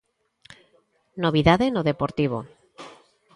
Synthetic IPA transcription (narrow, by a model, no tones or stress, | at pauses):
noβ̞iðaðenoðepoɾt̪iβ̞o